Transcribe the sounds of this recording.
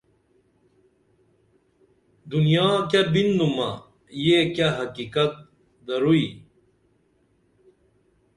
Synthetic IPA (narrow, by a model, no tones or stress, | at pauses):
d̪unijaːkabind̪umɐ̰ | jekaɦɐkikɐt̪̚ | d̪ɐɾui